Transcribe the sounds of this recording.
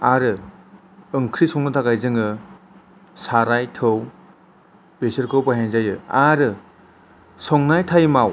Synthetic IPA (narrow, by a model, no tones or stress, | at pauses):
aɾɯ | ɯŋkʰɾisɔŋnɯtʰakajzɯŋɯ | saɾajtʰɯw | b̥esɯɾkʰɯwpaɦeŋzajɯaɾɯ | sɔŋnajtʰajmaw